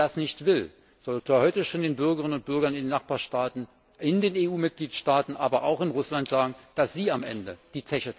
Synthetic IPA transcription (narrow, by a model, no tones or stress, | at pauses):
dasnɪçtv̥ɪl | z̥ɔlaːhɔʏtəʃoːndeːnbʏɐɡəʁɪənʊnt̚b̥ʏɐɡɐnɪndeːnːaχb̥aːɐʃtaːtn̩ | ɪndeːneːuːmɪt̚ɡ̥liːtʃtaːtn̩ʔaːbɐʔa̰ʊxɪnʁʊslantz̥aːɡŋ̩d̥asz̥iːamʔɛ̰ndəd̥iːt͡sɛçə